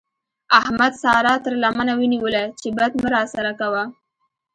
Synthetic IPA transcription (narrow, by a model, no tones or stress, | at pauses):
ahmad̪sɑɾɑt̪əɾlamanawiniwəlat͡ʃebad̪məɾɑsaɾakawa